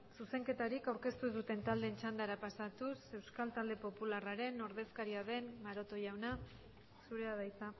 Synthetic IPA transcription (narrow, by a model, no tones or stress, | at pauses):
suse̞ŋke̞t̪aɾikawɾke̞st̪uðut̪e̞nt̪ald̪e̞nt͡ʃand̪aɾapasat̪use̞wskalt̪ald̪e̞po̞pularaɾe̞no̞ɾðe̞skaɾiaðe̞mmaɾo̞t̪o̞ʝawna | suɾe̞aðajsa